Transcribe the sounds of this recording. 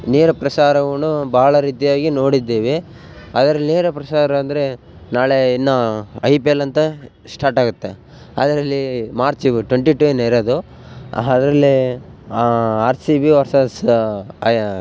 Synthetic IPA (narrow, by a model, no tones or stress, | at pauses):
neːɾɐpɾɐsaːɾɐʋɐnubaːɐɭɐɾiːt̪ijaːɡino̞ːɽid̪ːeːʋe | ɐd̪ɐɾɐlːineːɾɐpɾɐsaːɾɐːnd̪ɐɾe̞ | naːɭeinːɐɐjpelɐnt̪ɐ | sʈaːɾʈaːɡut̪ːe | ɐd̪ɐɾɐlːimaːɾt͡ʃiʋiʈweɳʈiʈuenːɐiɾod̪u | ɐd̪ɐɾɐlːi | aːɾsibiʋɐɾsɐs